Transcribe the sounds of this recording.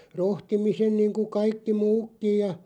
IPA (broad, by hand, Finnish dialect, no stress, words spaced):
rohtimisen niːŋku kɑikːi muːkːij̆ jɑ